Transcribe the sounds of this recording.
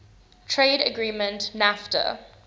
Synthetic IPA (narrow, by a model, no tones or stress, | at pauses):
tʰɹeːɾəɡɹiːmə̃ntnaftə̰